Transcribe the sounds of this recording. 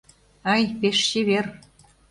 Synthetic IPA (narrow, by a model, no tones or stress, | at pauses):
ɑjpeʃɕiβer